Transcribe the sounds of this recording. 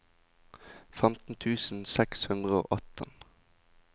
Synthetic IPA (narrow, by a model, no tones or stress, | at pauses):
fɛmt̪n̩t̪ʰʉːsn̩sɛkshʉnd̪ʁəo̰ːʔɑt̪ə̰n